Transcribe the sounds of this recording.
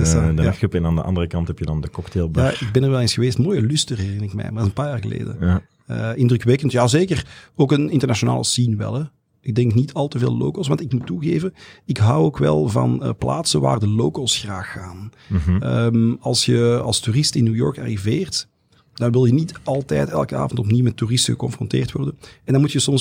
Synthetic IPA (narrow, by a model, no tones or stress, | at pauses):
sdəəpɛnaːndəʔɑ̰ndərəkɑnthɛpjədɑndəkɔktelˠbjaɪɡ̚bɛnərʋɛlˠeːnsxəʋeːstmoːjəlystərɦɛrɪnəɪkmɛ̰jmardzənpaːjaːrɣəlḛːdə̰nja | əɪndrʏkʋɛkəntjaːzeːkəroːkənɪntərnaʃona̰ːləsinʋɛ̰lˠɛ | ɪɡ̚dɛŋknitʰɑlˠtəvḛːlˠlo̰ːkoswɑntɪkmutːuɣeːvənɪkɦɑwoːkʋɛ̰lˠvɑ̰nəplaːtsəʋa̰ːrdəloːkosxraːxːaːn | əmɑlˠsjəɑlˠsturɪstɪnːuːjɔ̰rka̰riveːrt | d̥ɑnʋɪlˠjəniːtɑlˠtɛːtɛ̰lˠkəa̰ːvəntɔpniwmɛtːurɪstəɣəkɔnfrɔ̰nteːrtwɔrdənɛndɑnmutjəsɔms